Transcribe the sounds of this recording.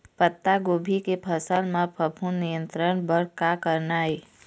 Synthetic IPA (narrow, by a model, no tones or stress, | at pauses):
pət̪ːaɡobʱikepʰəsəlmãpʰəpʰunːijə̃nt̪ɾəɳbəɽ̤kakəɾnaːi